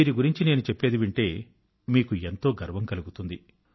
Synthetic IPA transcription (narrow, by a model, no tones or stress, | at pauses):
iːɾiɡuɾiɲt͡ʃine̞ːnut͡ʃepːe̞ːd̪iʋiɳʈe̞ː | miːkuent̪o̞ːɡɐɾʋɐŋkɐluɡut̪und̪i